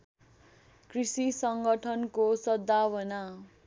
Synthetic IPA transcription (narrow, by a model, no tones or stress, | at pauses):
krisisʌŋɡʌʈʰʌnkosʌd̪ːawʌna